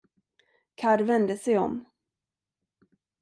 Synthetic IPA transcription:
kʰaɾvɛnd̪əsɛjɔ̰m

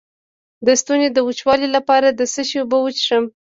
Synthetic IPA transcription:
d̪əst̪uned̪əwut͡ʃwɑlilapɑɾad̪əsəʃebəwət͡ʃʂəm

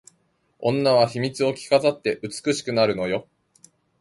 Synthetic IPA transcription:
õ̞nːaβ̞açimʲit͡sɨo̞kʲi̥kazat̪ːe̞ʔɯ̟t͡sɨ̥kɯ̟ɕi̥kɯ̟naɾɯ̟no̞jo̞

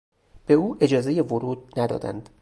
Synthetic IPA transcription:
b̥e̞uːʔe̞d͡ʒɒːze̞jevoɾuːd̪̥̚næd̪ɒ̰ːd̪æ̰nd̪̥

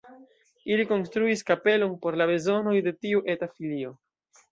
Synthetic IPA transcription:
iliko̞nstɾuiskape̞lo̞npo̞ɾlabe̞zo̞no̞jde̞tiuʔe̞tafilio̞

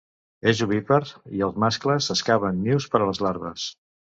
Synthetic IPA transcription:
eʒuβipəɾiəlˠzmaskləzəskaβənːiwspəɾələzlaɾβə̰s

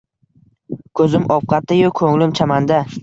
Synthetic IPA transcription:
kʰɵzɪmʔɒp̚qʰɑt̪ːajʊkʰɵŋlɪmt͡ʃʰamand̪a

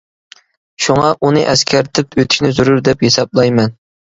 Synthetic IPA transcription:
ʃuŋɑʔunɨʔɛskʲʰɛɾt̪ʰɪpʰøt̪ʰɪ̥ʃʲnɪzuɾuɾd̪ɛphesɑblˠɑjmɛn

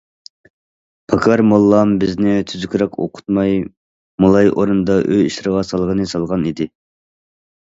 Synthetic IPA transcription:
pʰɑkʰɑɾmolˠːɑmbɪznɪt̪ʰyzykʲɾɛkʰo̰qʰʊ̥t̪mɑj | mulˠɑjʔoɾund̪ɑʔøiʃɾəʁɑsɑlˠʁənɨsɑlˠʁɑnid̪ɪ

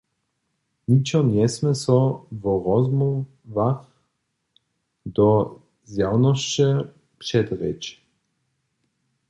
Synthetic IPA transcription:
nʲit͡ʃɔnjɛsmɛsɔvɔɾɔzmɔ | vax | d̪ɔ | zjawnɔʃt͡ʃɛ | pʂɛd̪ɾɛ̰t͡ʃ

